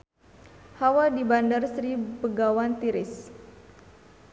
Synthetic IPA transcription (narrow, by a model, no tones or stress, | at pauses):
hawadibandarsɾipəɡawant̪iɾɪs